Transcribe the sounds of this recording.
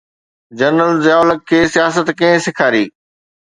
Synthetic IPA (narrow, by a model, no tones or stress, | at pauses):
d͡ʑɐnəlzjaːʊləkʰːeːsijaːsət̪kɐ̃ɦɪ̃sɪkʰaːɾiː